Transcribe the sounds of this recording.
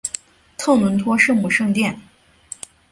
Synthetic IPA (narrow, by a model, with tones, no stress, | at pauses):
t̪ʰɤ˥˩nwə˧˥nt̪ʰwɔ˥ʂɤ˥˧ŋmu˥˩ʂɤ˥˧ŋt̪jɛ˥˩n